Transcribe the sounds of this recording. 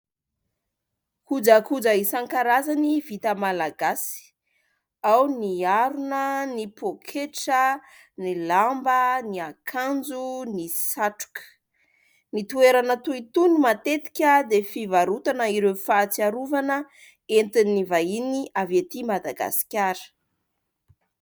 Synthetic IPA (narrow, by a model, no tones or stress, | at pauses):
kud͡zəkud͡zaisaŋkaɾazanivit̪əmalaɡasi̥ | awniaɾunənipokʰeʈ͡ʂə | nilambəniakʰand͡zunisaʈ͡ʂu̥kə̥ | nit̪ueɾanət̪uit̪unumat̪et̪i̥kʲəd̪efivaɾut̪anəiɾefat͡siaɾuvanə | ent̪inːivainiavet̪imad̪a̰ɡa̰si̥kʲaɾə̥